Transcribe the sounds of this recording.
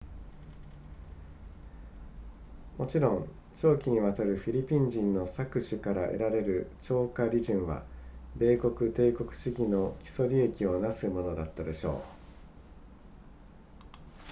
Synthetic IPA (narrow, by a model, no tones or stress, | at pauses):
mo̞t͡ɕiɾõ̞n | t͡ɕo̞ːkʲiɲ̟iβat̪aɾɯ̟ɸʲiɾʲipʲĩɲd͡ʑĩnːo̞sakɯ̟ɕɨkaɾaʔe̞̰ɾaɾe̞ɾɯ̟t͡ɕo̞ːkaɾʲiʑĩɰ̃βa̰be̞ːko̞kɯ̟t̪e̞ːko̞kɯ̟̥ɕiɡʲino̞kʲi̥so̞ɾʲie̞kʲio̞nasɨmo̞no̞d̪at̪ːad̪e̞ɕo̞̰ː